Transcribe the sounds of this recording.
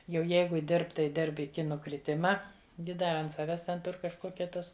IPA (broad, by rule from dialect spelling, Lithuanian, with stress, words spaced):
jɛʊ ˈjɛɪɡʊ ˈdʲɪrp tɐɪ ˈdʲɪrp ɪˈkʲɪ nʊkrʲɪˈtʲɪmɐ ˈɡʲɪ ˈdɐ ɐnt ˈsɑːʋʲɛs tʲɛn ˈtʊr kɐʃˈkoːkʲɛ ˈtoːs